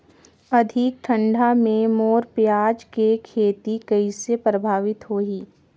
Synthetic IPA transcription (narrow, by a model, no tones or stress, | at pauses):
ɐd̪ʱik̚ʈʰə̃ɳɖʱamẽmoːɾpjaːd͡ʒkekʰeːt̪ikɐisepɾəbʱaːʋɪt̪ɦoːɦiː